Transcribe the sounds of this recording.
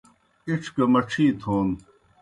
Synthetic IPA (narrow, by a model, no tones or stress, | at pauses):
iʈ͡ʂʰkɐmɐʈ͡ʂʰiːt̪ʰoːn